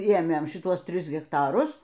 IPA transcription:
ˈeːmʲeːn ʃʲɪˈtuɔs ˈtʲrʲɪs ɣʲɛkˈtɑːrʊs

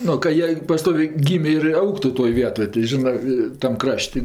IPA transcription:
ˈnʊ kɐ ˈjiɛ pɐˈstoːʋʲeː ˈɡʲiːmʲeː ɪr ˈɐʊktʊ toːj ˈʋʲiɛtoːj tɐɪ ˈʒʲɪnɜ tɐm ˈkrɐʃʲtʲ

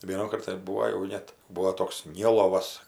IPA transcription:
ˈʋʲiɛnʊkɐrt tɐɪ ˈbuːoː jɛʊ ˈnʲɛt ˈbuɔ ˈtoːks ˈnʲɪlˠoːʋɐs

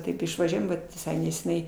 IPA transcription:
ˈtɐɪp ɪʃʋɐˈʒʲuɔjɛm ˈʋɐt ʋʲɪˈsɐɪ nʲɛsʲɛˈnʲɛɪ

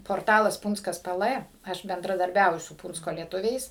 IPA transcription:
poːrˈtɑːlˠɐs ˈpuːnt͡skɐs ˈpɘ ˈlˠɘ ˈɐʃ bʲɛndrɐdɐrʲˈbʲɛʊjʊ sʊ ˈpuːnt͡skoː lʲiɛˈtʊʋʲɛɪs

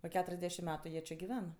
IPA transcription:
oː ˈkʲæːtʊrʲɛzʲˌdʲæːʃʲɪm ˈmʲæːtʊ ˈjiɛ t͡ʃʲɪ ɡʲɪˈʋʲɛn

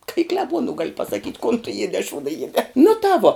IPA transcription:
kɐ ɪ klʲɛˈbuɔnʊ ɡɐlʲ pɐsɐˈkʲiːtʲ koːn tʊ ˈjiɛdʲɛː ɐ ˈʃuːdɐ ˈjiɛdʲɛː nʊ tɑː ˈʋoː

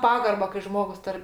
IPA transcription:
ˈpɑːɡɐrbɐ kɐɪ ˈʒmoːɡʊs ˈtɐr

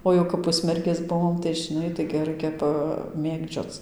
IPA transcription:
oː ˈjɛʊ kɐp ˈpʊsʲmʲɛrʲɡʲeːs ˈbʊʋoːm tɐɪ ʒʲɪˈnɐɪ tɐɪɡʲɪ ˈrɐɪkʲɛ pɐˈmʲeːɡd͡ʒʲoːt͡s

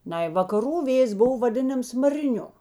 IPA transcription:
ˈnɐɪ ʋɐkɐˈruː ˈʋʲeːjeːs ˈbʊʋoː ʋɐˈdʲɪnɐms mɐrʲɪˈnʲʊ

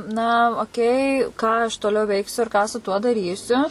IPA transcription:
nɐ oːˈkʲɛɪ kɑː ɐʃ toːˈlʲɛʊ ˈʋʲɛɪksʲʊ ɪr kɑː sʊ tuɔ dɐˈrʲiːsʲʊ

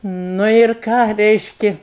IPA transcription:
ˈnʊ ɪr ˈkɑː ˈrʲɛɪʃʲkʲɪ

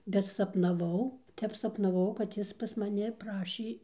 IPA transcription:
bʲɛt sɐpnɐˈʋɐʊ ˈtʲɛp sɐpnɐˈʋɐʊ kɐt ˈjɪs pɐs mɐˈnʲɪ ˈprɑːʃʲeː

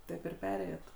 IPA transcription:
ˈtɐɪp ɪr ˈpʲæːrʲeːjoːt

